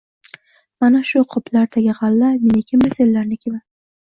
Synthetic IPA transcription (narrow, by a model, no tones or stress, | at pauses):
manaʃʊqʰʊpʰlaɾt̪ʰaɡʲaʁɑlːamenekʲʰɪmːeselːaɾnɪkʲʰeba